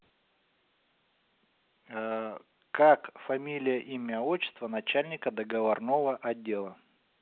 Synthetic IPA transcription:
kakfɐmʲilʲɪjəʔimʲɪɐot͡ɕːɪst̪vənɐt͡ɕælʲnʲɪkəd̪əɡəvɐrnovəʔɐdʲːe̞lˠə

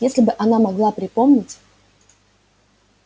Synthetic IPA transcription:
jesʲlʲɪbɨʔɐnamɐɡlˠapɾʲɪpo̞mnʲɪtʲ

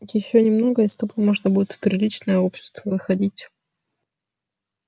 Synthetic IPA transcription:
t̪ʲjɪɕːonʲɪmno̞ɡəɪst̪ɐpəmoʐnəbudʲɪt̪fpɾʲɪlʲit͡ɕnəjəopɕːɪ̥st̪vəvɨxɐdʲitʲ

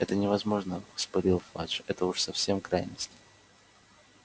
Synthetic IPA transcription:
ɛt̪ənʲɪvɐzmo̞ʐnəspɐɾʲilˠfa̰ʐɛt̪əʊʂsɐfsʲe̞mkɾajnəsʲtʲɪ̥

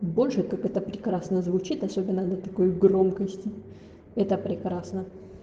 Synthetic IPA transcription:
bo̞lʲʂɨkakɛt̪əpɾʲɪkɾasnəzvʊt͡ɕit̪ɐsʲobʲɪnːəd̪ət̪ɐko̞jɡro̞mkəsʲtʲɪ | ɛt̪əpɾʲɪkɾasnə

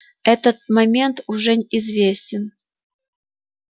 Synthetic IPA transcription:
ɛt̪ət̪̚mɐmʲent̪uʐɛnʲizvʲesʲtʲɪn

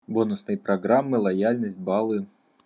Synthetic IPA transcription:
bɔnʊsnɨjpɾɐɡɾamːɨlˠɐjalʲnɐsʲt̚ʲbalˠɨ

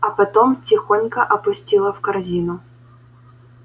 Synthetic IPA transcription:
ɐpɐt̪ɔmt͡sʲɪxonʲkɐʔɐpʊsʲtʲilˠɐfkɐrzʲinʊ

